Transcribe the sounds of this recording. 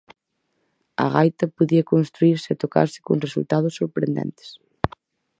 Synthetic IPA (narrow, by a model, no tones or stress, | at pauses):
ɐ̰ɣajt̪ɐpoðiɐkonst̪ɾuiɾsɪet̪oka̰ɾsɪ̥koŋresṵlt̪aðʊsːoɾpɾḛnd̪ɛ̰nt̪e̥s